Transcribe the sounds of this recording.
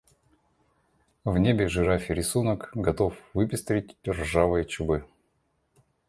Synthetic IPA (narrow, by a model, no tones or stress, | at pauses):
vnʲebʲɪʐɨɾafʲɪɾʲɪsunəkɡɐt̪o̞fvɨpʲɪst̪ɾʲɪt̚ʲdʲɪrʐavɨjət͡ɕʊbɨ